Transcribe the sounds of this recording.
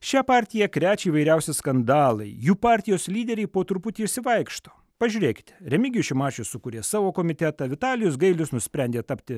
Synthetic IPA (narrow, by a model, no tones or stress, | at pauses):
ʃʲæpɑːɾʲt̪ʲɪjɛkɾʲæːt͡ʃʲɛiːʋɐɪɾʲɛʊsʲɪskɐnd̪ɑːlˠɐɪjuːpɑːɾʲt̪ʲɪjoːslʲiːd̪ʲɛɾʲɛɪpoːt̪ɾʊpʊt̪ʲiːɪʃsʲɪʋɐɪkʃt̪o̥ː | pɐʒʲʊːɾʲeːkʲɪ̥t̪ʲɾʲɛmʲɪɡʲɪjʊʃʲɪmɑːt͡ʃʲʊssʊkuːɾʲeːsɑːʋoːkoːmʲɪt̪ʲæt̪ɐʋʲɪt̪ɑːlʲɪjʊs̬ɡɐɪlʲʊsnʊsʲpʲɾʲɛnʲd̪ʲeːt̪ɐpʲt̪ʲɪ